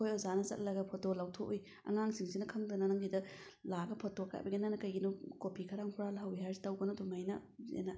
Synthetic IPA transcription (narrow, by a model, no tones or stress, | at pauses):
kʰojɔzanɐsɐ̰t̚lɐɡɐpʰɔtolawtʰoʔuj | ɐ̰ŋaŋsiŋsinɐkʰɐŋdɐnɐnɐŋɡidɐ | laɡɐpʰɔtoka̰jbɐɡinanɐkɐjɡinukopikʰɐɾaŋkʰuɾalaɦawiɦaɾsi̥tawɡɐnodomajnɐ̰zḛnɐ